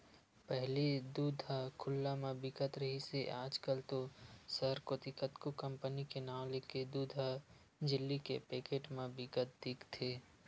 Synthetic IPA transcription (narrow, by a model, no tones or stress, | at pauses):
pɛɦlid̪uːd̪ʱakʰʊlːamẽbɪkət̪ɾɐɦiseʔaːd͡ʒkəlt̪osəɾkot̪ɪkət̪kokə̃mpənikenaːleked̪uːd̪ʱa | d͡ʒɪlːikepeːkeːʈmẽbɪkət̪̚d̪ɪkt̪ʰeː